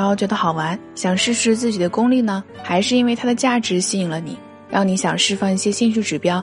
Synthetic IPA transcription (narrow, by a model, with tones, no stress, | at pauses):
jt͡ɕɥɛ˧˥d̪ə˧xɑ˨˩ʊwa˧˥n | ɕjɑ˨˩ŋʂɻ̩˥˧ʂɻ̩˥˧t͡sɹ̩˥˩t͡ɕi˨˩d̪ə˦kʊ˥ŋli˥˩nə˩xa˧˥ɪʂɻ̩˥˧i˥nwe˥˩ɪt̪ʰa˥ə˨t͡ɕja˥˩ʈ͡ʂɻ̩˧˥ɕi˥i˧˨˩ŋlə˧nḭ˨˩˦ | ɻni˧˥ɕjɑ˨˩ŋʂɻ̩˥˧fɑ˥˧ŋi˥˩ɕjɛ˥ɕi˥˧ŋɕ̬y˥˩ʈ͡ʂɻ̩˨˩pjɑ˥ʊ